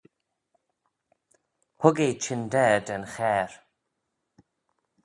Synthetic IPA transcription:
hʊɡejt͡ʃʰɪndɛːdɛnxɛːɹ

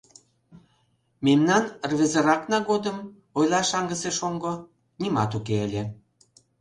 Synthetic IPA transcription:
memnɑnrβʲezəɾɑknɑɣod̪əm | ojlˠɑʃɑŋɡəseʃoŋɡo | nimɑt̪ukeəlʲe

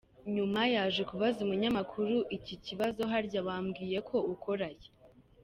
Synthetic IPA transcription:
ɲumajaːʒe̞kuβazumuɲamakʰuɾuʔiciciβazo̞ɦaɾɟawaːmɡiːje̞kʰo̞uko̞ɾaje

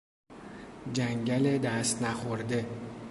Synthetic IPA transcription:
d͡ʒæŋɡʲæled̪æst̪næχoɾd̪e

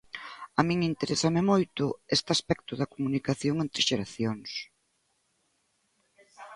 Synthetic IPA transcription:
amĩŋint̪eɾesamɪmojt̪ʊest̪ɪaspɛkt̪ʊðɐkomunikaθjoŋent̪ɾɪʃeɾaθjoŋs

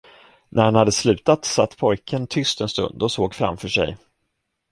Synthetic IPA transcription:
nʔæɾhanhad̪ːəslʉ̟ːt̪at̪sat̪ːpʰɔjkʰənt̪ʰʏst̪ɛnst̪ɵ̰nd̪dɔsoːɡfɾa̰mfœʂɛ̰j

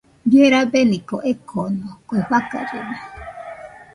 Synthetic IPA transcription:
jeɾabenĩkoʔekʰonokweɸaka̰ɾena

